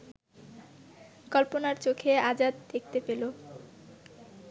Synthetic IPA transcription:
kɔlponaɾt͡ɕokʰead͡ʑad̪̚d̪ek̚t̪epelo

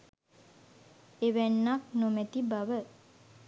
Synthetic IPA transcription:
eʋænːak̚nomɛt̪ibaʋə

